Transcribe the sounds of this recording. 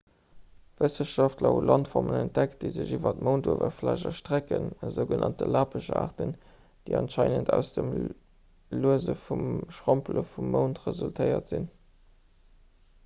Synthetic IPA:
v̥əsəʃɑftlɐulɑntfɔʁmənænt̚d̥ækt̚deɪzəʑivɐt̚məʊntuvɐflæʒɐʃtʁ̥ækənəzəʊɡənʔɑntəlaːpʰəʒa̰ːʁtən | d̥eɪɑnʃɑɪnəndʰæʊsd̥əm | luəzəfumʃʁompləfumːəʊntʁəzultʰəɪɐtz̥in

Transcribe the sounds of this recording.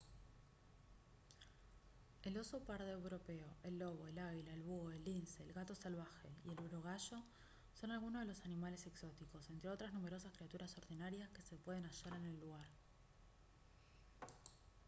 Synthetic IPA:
e̞lo̞so̞paɾðeewɾo̞pe̞oʔe̞lːo̞βo̞elaβilaelβuɣoelːinseːlɣat̪o̞salβ̞axe̞̰ie̞luɾoɣ̞aʃo̞ | so̞nalɣunoðelo̞sanimale̞se̞kso̞t̪iko̞se̞nt̪ɾeo̞t̪ɾaznume̞ɾo̞saskɾiat̪uɾaso̞ɾðinaɾjaske̞se̞pwe̞ð̞e̞naʃaɾe̞ne̞lːuɣaɾ

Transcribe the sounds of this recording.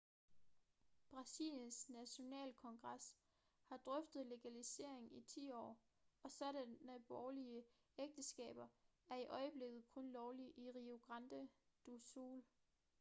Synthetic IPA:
b̥ʁɑ̈sḭːljənsnæɕo̝nɛ̰ːlkʰɒ̽ŋɡ̥ʁɑs | hɑ̈d̥ʁœfd̥ð̞̩ˠle̝ɡ̥ælise̝̰ɐ̰e̝ŋit͡sʰḭːɒ̰ː | ɒ̽sɒ̽ɾ̥ænəb̥ɒːliə | eɡ̥̚d̥əsɡ̥ɛ̰ːb̥ɐ | æɐiʔɒ̽ɪəb̥le̝ɡ̥ð̞̩ˠkʰɔ̽nlɒʊliʔiʁio̝ɡ̥ʁɑnd̥ə | d̥usṵːl

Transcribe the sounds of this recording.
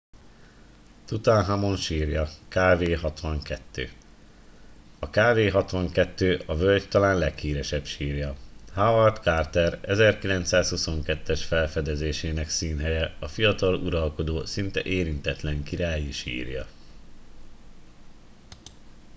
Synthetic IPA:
t̪ut̪anɦamo̞nʃiːrjɒkaːveːɦɒt̪ʋɒŋkɛt̪ːø̰ː | ɒkaːveːɦɒt̪ʋɒŋkɛt̪ːøːʔɒvølct̪ɒlaːnlɛkhiːɾɛʃɛbʃiːrjɒhavɒrt̪kart̪ɛɾɛzɛrkilɛnt̪saːshuso̞ŋkɛt̪ːɛʃfɛlfɛd̪ɛzeːʃeːnɛksiːnɦɛjɛɒfijɒt̪ɒlṵɾɒlko̞d̪oːsint̪ɛʔeːɾint̪ɛt̪lɛŋkiɾaːjiʃḭːrjɒ̰

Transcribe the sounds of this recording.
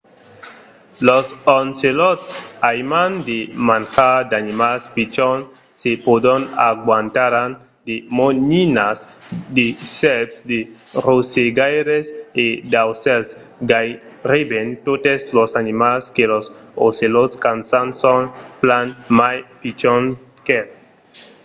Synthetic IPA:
losonselɔt̪sajmand̪emanxad̪animalspit͡ʃɔn | sepod̪onaɡwant̪aɾan | d̪emoɲinas | d̪esɛpd̪e | roseɡajɾesed̪awsɛls | ɡaj | ɾibent̪ot̪eslosanimalskelososelot̪skansansonplanmajpit͡ʃon | ke

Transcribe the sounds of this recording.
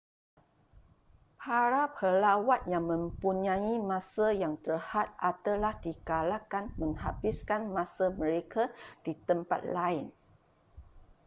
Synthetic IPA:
pʰaɾapʰəlawat̪̚jaŋmə̃mpuɲãimãsajaŋt̪ərhat̪̚ʔat̪alahdikalakanmə̃ŋhabiskanmãsamə̃ɾekʰad̥it̪əmpa̰t̪̚laɪn

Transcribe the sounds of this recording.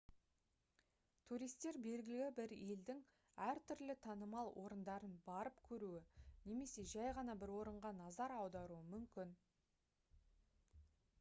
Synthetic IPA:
t̪ʰuɾijst̪ːe̞ɾbe̞lɡʲɪlɪɡʲɪbɪɾe̞ld̪ɪŋ | æɾt̪ʰʏɾlɪt̪ʰɑnəmɑlˠwʔo̞ɾənd̪ɑɾənbɑɾəpkʲʰɵɾuɪne̞me̞se̞ʒæjʁɑnɑbɪɾwo̞ɾəɴʁɑnɑzɑɾɑwd̪ɑɾuəmʏmkʲɪn

